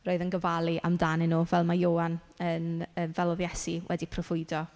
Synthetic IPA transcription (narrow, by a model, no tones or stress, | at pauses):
roːðənɡəvalˠiʔa̰mdanɪnːuːvɛlˠmajoːan | ənəːnvɛlˠɔðjɛsiwʔɛ̰dipʰrɔv̥ʊɨdɔ